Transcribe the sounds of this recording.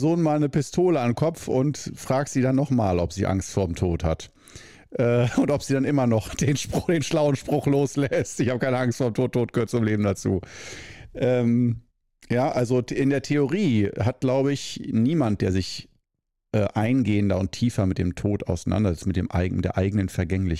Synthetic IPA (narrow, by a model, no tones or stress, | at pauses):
zoːnmaːlnəpɪstʰoːləanmkʰɔp͡fʊ̰ntfʁ̥aːkz̥iːdanːɔχmaːlɔpz̥ḭːʔa̰ŋstfoːɐɪmtʰoːthat | ʔɛːʊntɔpz̥iːdanʔɪmɐnɔχd̥eːnʃpʁd̥eːnʃlaʊənʃpʁ̥ʊχloːslɛstʔɪçhaːbəkʰaɪnəaŋstfoːɐemtoːtʰoːt̚ɡ̥əhøːɐt̚t͡sʊmleːbm̩dat͡sṵː | ʔɛːm | jaːʔalzoʔɪndeːɐtʰeoʁ̞iːɦat̚ɡ̥laʊbəɪçniːmant̚d̥eːɐzɪç | ʔɛːʔaɪnɡeːəndɐʊntʰiːfɐmɪt̚d̥eːmtʰoːta̰ʊsanʔa̰ndɐzɛt͡stmɪtd̥eːmʔa̰ɪtd̥eːɐʔaɪɡənənfɛɐɡɛŋlɪç